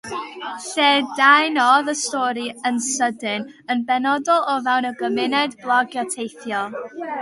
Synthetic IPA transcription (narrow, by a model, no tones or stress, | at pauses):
ɬɛːdajnɔðəstɔɾiənsədɪn | ənbɛnɔdɔlˠɔvɛwnəɡəmɪnɛdblˠɔɡjɔtʰejθjɔ